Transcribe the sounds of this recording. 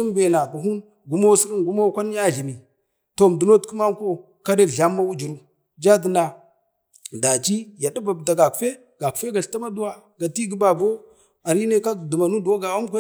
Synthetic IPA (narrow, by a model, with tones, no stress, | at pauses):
i˦mbe˨na˨ɡu˨ɦu˦n | ɡu˦mo˦si˦ɾi˦nɡu˦mo˦kʷa˦n˦ja˦ɮi˨mi˨ | to˨m˨du˨no˦tku˦ma˦ŋ˦ko˦ | ka˦de˦˨ɮa˦mːa˦wu˦d͡ʒi˨ɾu˦ | d͡ʒa˦di˨na˨ | da˨t͡ʃi˦ja˨du˦ba˨bda˨ɡa˨kfe˦ | ɡa˨ku̥˨fe˦ɡa˨ɬta˦ma˦du˦wa˦ɡa˨ti˦ɡi˦ba˨bo˦ | a˨ɾi˦ne˦ka˦˨du˨ma˨nu˦do˦ɡa˨wa˦m˦kʷe˦